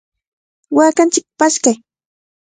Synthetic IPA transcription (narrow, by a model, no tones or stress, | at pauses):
waːkant͡ʃɪk̚paskaj